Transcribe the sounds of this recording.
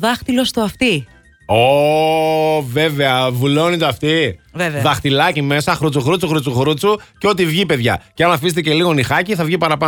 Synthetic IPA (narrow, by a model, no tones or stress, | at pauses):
ðɐxt̪ilo̞st̪oɐft̪i | o | ve̞ve̞ɐvulo̞nit̪oɐft̪iveveðɐxt̪ilɐcime̞sɐxɾut͡suxɾut͡suxɾut͡suxɾut͡suceo̞t̪ivʝipe̞ðʝɐ̰ceɐnɐfis̬t̪ece̞liɣo̞nixɐciθɐvʝipɐɾɐpɐ